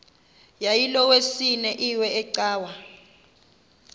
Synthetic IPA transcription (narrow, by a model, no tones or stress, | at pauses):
jajilɔwesinɛʔiwɛɛǀaːwa